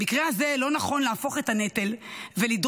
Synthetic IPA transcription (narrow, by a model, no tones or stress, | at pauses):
ikʁeaze̞lo̞naχo̞nleafo̞χe̞tanete̞lvelid